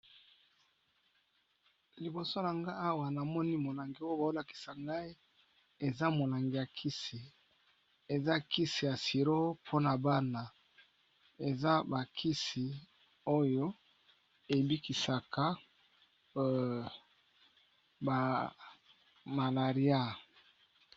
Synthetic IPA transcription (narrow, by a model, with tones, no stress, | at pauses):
li˨bo˨so˦na˨ŋɡa˦a˦wa˨na˨mɔ˦ni˦mo˨la˨ŋɡi˨o˦jo˦ba˨o˦la˨ki̥˨sa˨ŋɡa˦i˦ | e˨za˦mo˨la˨ŋɡi˨ja˨kʰi˦si˨ | e˨za˦ki˦si˨ja˨si˨ɾo˦pʰo˦na˨ba˦na˨ | e˨za˦ba˨kʰi˦si˨ | o˦jo˦ | e˨bi˦ki˨sa˨ka˦ | ba˨ | ma˨la˨ʁi˦a˦